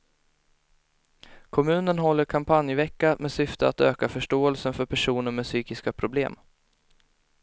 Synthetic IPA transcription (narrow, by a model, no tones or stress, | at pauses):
kʰɔmʉ̟ːnənɦɔlːəɾkʰampʰanjvɛkːamɛsʏft̪əa̰t̪øːkafœʂʈoːɛlsənfœɾpʰæʂuːnəɾmɛsyːkɪskapʰɾʊbleːm